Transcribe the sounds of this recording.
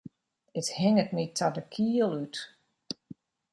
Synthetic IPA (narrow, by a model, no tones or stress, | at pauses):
əthɪŋətnitʰːɔdəkʰiəlˠyt